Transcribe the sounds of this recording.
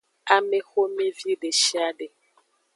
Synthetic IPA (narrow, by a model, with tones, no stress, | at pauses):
a˦me˦xo˦me˦vi˦ɖe˨ʃi˦a˦ɖe˨